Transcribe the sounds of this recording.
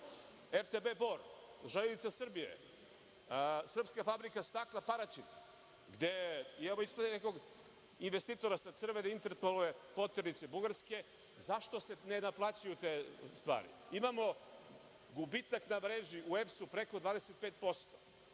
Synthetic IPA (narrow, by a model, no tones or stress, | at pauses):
eɾt̪ebe̞boɾ | ʒaleit̪sasr̩bijḛ | sr̩pskafabɾikast̪aklˠapaɾat͡ʃina | ɡd̪eimamoisplad̪eneko̞ɡ | inʋest̪iːt̪o̞ɾasasr̩ʋed̪aint̪eɾt̪oluʋepot̪eɾnit̪se̞buɡaɾske̞ | zaʃt̪ose̞nenaplˠaːt͡ɕajut̪est̪ʋa̰ːɾḭimamo̞ | ɡubit̪aknamɾeːʒiʔuefsupɾe̞ko̞d̪ʋaːd̪ese̞t̪̚peːt̪̚po̞st̪o̥